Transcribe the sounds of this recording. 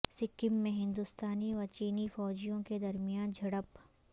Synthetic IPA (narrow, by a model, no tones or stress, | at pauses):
sɪkɪmːẽɦɪ̃nd̪ust̪aːniʋɐɾt͡ʃiːnifɔːd͡ʒijõked̪ɐɾmijaːnd͡ʒʱɐɽəp